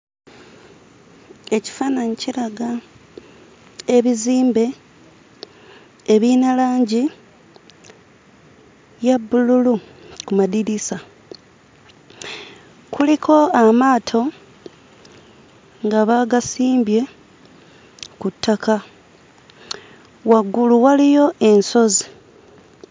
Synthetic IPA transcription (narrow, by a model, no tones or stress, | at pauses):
e̞ci̥fanaɲiciɾaɡa | eβiziːmbe̞ | eβinalaːɲɟi | jabːululu | kumadiɾisa | kulikʰo̞amaːtʰo̞ | ŋɡaβaɡasiːmbje̞ | kutʰːakʰa | waɡːuluwalijo̞ʔe̞nso̞zi